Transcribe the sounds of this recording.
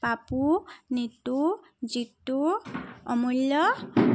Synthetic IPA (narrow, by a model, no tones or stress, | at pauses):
papunit̪u | d͡ʒit̪ːuɔmulːɔ